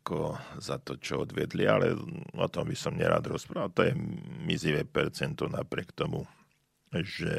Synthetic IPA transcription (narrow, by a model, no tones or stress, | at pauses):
akɔzat̪ɔt͡ʃɔɔd̪ʋɪɛd̪lialɛ̰ɔt̪ɔmbisɔmɲɛ̰ɾa̰ːd̪ɾɔspɾaːʋat̪ɔjɛmizliʋɛpɛɾt͡sɛnt̪ɔnapɾɪɛkt̪ɔmu | ʒɛ